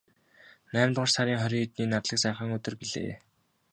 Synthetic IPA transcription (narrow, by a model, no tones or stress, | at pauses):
næːmt̪ə̆ʃsaɾʲiːŋχœɾʲiːŋt̪niːnat̪ɮə̆ksæːχə̆ŋɵt̪ɵ̆rpiɮḛː